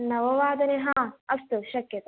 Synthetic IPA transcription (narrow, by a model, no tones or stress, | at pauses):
nɐʋɐʋaːd̪ɐneɦãːɐst̪uʃɐkjɐt̪ɐ